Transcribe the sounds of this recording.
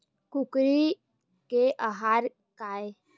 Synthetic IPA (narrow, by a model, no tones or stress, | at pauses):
kʊkɾi | keʔaɦaːɾ | kaːe